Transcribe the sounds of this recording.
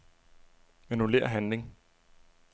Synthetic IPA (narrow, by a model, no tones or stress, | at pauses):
mænule̝̰ːɐɦænle̝ŋ